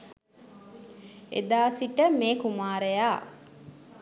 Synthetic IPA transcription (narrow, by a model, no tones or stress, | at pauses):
ḛd̪aːsiʈəmeːkumaːɾəjaː